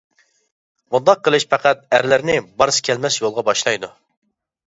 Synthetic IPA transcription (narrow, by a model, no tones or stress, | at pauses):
mund̪ɑq̚ːəlˠɨʃpʰæqʰæt̪̚æ̰ɾlæɾnɪbɑɾsɨ̥kʲʰɛlmɛsjolˠʁɑbɑʃlˠɑjd̪u